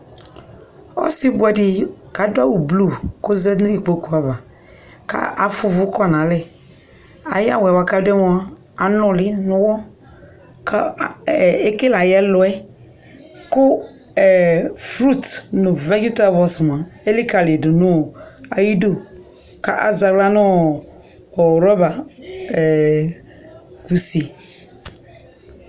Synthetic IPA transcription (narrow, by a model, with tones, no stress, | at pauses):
ɔ̰˦si˦bʊ˨˦ɛ˦dɪ˨ka˨dʊ˦a˦wu˨blu˦˨ko˦zɛ˦ñ˦i˨k͡po˦ku˨a˨va˨ | ka̰˦ʔa˨fʊ˦vʊ˦kɔ˦nã˨lɛ˦ | a̰˨ja̰˦wɛ˨wa˨ka˦dɛ˦mɔ˦a˦ | a˨nʊ̃˦lɪ˦nʊ̃˦wɔ˦ | ka˦˨ | e˦ke˦la˨jɛ˦lɔ˨ɛ˦ | kʊ˦˨ | fɾu˦˨tnʊ˨vɛ˦d͡ʒu˦ta˦˨vɔ˦sm˨a˨e˦li˦ka˨li˨do˨no˦˨a˨ji˦do˦ | ka̰˦ʔa̰˨za˨ɡla˦nɔ˦˨ | ɾɔ˦ba˨ | ku˨si˨